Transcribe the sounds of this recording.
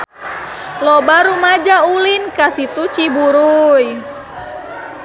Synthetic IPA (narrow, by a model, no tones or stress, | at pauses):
lɔbaɾumad͡ʒaulinkasit̪ut͡ʃibuɾuj